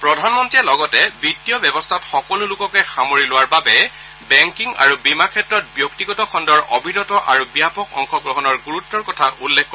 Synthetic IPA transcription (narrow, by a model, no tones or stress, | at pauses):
pɹɔdʱanmɔntɹiɛlɔɡɔtɛbɹitːijɔbjɛbɔstʰatxɔkɔlʊlʊkɔkɛxamoɹilʊwaɹbabɛ | bɛŋkiŋa̰ɹubimakʰɛtɹɔt̚bjɔk̚tiɡɔtɔxɔndɔɹobʱinɔtɔʔaɹubijapɔkɔ̰ŋxɔɡɹɔɦɔnɔɹɡuɹutːɔɹkɔtʰaʔulːekk